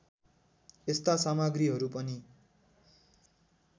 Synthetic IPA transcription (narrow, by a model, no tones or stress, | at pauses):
est̪asamaɡriɦʌɾupʌni